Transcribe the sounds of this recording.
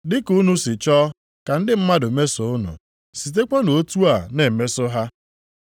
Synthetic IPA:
dɪ˦ku˦nu˦sɪ˨t͡ʃɔː˦ | ka˨n̩˦dɪ˦m̩˦ma˦dʊ˨me˦sʊ˦ʊ˦nʊ̰˨ | si˨t̬e˦k͡pʷa˦no˨o˦tu˦a˨ne˨me˦sʊ˦ɦa˦

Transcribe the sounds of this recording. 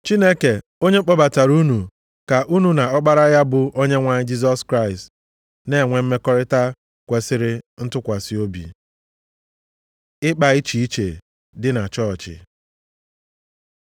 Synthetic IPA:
t͡ʃi˦ne˦ke˨ | o˦ɲe˦k͡pɔ˦ba˨ta˨ɾu˦nu˨ | ka˨ʔu˦nu˨na˨ɔ˦k͡pa˦ɾa˦ja˦bʊ˨ʔo˦ɲe˦ŋʷa˨ɲɪ˦d͡ʒi˦z̬ɔ˦skɾa˦˨ɪ˨st | ne˦˨ŋʷe˨m̩˦me˦kɔ˦ɾɪ˦ta˦ | kʷe˨sɪ˦ɾɪ˦n̩˦tʊ˦kʷa˨si˨o˦bḭ˨ | ɪ˦k͡pa˨i˦t͡ʃi˨i˦t͡ʃe˨ | dɪ˦na˨t͡ʃɔ˦˨t͡ʃɪ̰˨

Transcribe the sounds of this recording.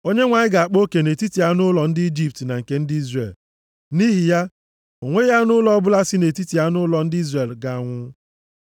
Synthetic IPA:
o˦ɲe˦ŋʷa˨ɲɪ˦ɡa˨a˨k͡po˦ke˨ne˨ti˦ti˨a˦nʊ˦lɔ˨n̩˦dɪ˦i˦d͡ʒi˦p̚tna˨ŋ̩˨ke˨˦n̩˦dɪ˦i˦zrḛ˨l | ni˦ɦi˨ja˦ | o˨ŋʷe˦ja˦nʊ˦lɔ˦bʊ˦la˦sɪ˦ne˨ti˦ti˨a˦nʊ˦lɔ˨n̩˦dɪ˦i˦zre˨lɡa˨a˨ŋʷʊ˦

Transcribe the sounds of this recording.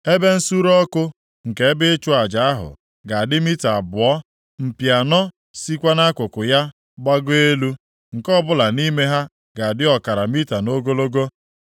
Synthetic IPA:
e˦be˦n̩˦su˦ɾɔ˦kʊ˦ | ŋ̩˨ke˨˦bɪ˦t͡ʃʊ˦a˨d͡ʒa˨a˦ɦʊ̰˨ | ɡa˨a˨dɪ˦mi˦ta˨bʊ˨ɔ˦ | m̩˨pja˨nɔ˦ | si˦kʷa˦na˦kʷʊ˨kʊ˨ja˦ | ɡ͡ba˦ɡʊ˦e˦lu˦ | ŋ̩˨kɔ˦bʊ˦la˨ni˦me˦ɦa˦ | ɡa˨a˨dɪ˦ɔ˨ka˨ɾa˨mi˦ta˨no˦ɡo˦lo˦ɡo˦

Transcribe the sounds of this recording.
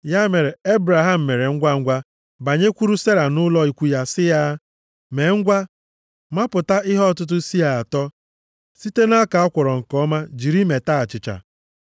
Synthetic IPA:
ja˦me˨ɾe˨e˦bɾa˨ɦa˦˨m̩˨me˨ɾe˨ŋ̩˦ɡʷa˦ŋ̩˦ɡʷa˦ | ba˨ɲe˦kʷu˦ɾu˦se˦ɾa˨nʊ˦lɔ˦i˨kʷu˦ja˦sɪ˦ja˦ | me˨ŋ̩˦ɡʷa˦ | ma˦pʊ˨ta˦ʔɪ˦ɦɔ˦˨tʊ˦t̬ʊ˦si˦ja˨a˨tɔ˦ | si˦te˦na˦ka˨ɔ˦kʷɔ˨ɾɔ˨ŋ̩˨kɔ˦ma˦d͡ʒi˨ɾi˦me˨ta˦a˨t͡ʃɪ˨t͡ʃa̰˨

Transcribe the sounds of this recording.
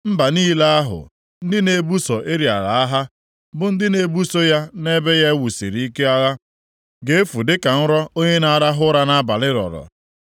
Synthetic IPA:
m̩˦ba˨niː˦la˦a˦ɦʊ̰˨ | n̩˦dɪ˦ne˨˦bu˦sɔ˨ʔe˦ɾi˨a̰˨ɣa˨a˦ɦa˦ | bʊ˨n̩˦dɪ˦ne˨bu˦so˦ja˦ne˦be˦ja˦wu˨sḭ˨ɾi˨˦i˦ke˦a˦ɣa˦ | ɡe˦e˦fu˨dɪ˦ka˨n̩˦ɾɔ˦o˦ɲe˦na˦a˦ɾa˦ɦʊ˦ɾa˦na˦a˦ba˨lɪ˦ɾɔ̰˨ɾɔ̰˨

